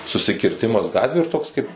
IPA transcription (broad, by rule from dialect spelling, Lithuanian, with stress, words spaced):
sʊsʲɪkʲɪrʲˈtʲɪmɐs ˈɡɑːtʲʋʲʊ ɪr ˈtoːks ˈkɐɪp